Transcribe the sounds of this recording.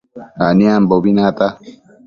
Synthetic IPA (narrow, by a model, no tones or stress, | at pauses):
aniambobinat̪a